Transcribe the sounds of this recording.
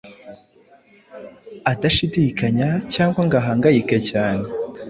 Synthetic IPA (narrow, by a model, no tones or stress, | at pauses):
adaʃidikaɲacaːŋɡwaŋɡaɦaːŋɡajikecaːne